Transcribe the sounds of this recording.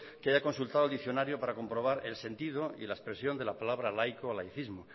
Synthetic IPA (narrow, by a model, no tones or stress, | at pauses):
keaʝako̞nsult̪aðld̪iθjo̞naɾjopaɾako̞mpɾo̞β̞aɾe̞lsẽ̞nt̪ið̞oḭlaespɾesjo̞nd̪e̞lapalaβɾalajkoalajθizmo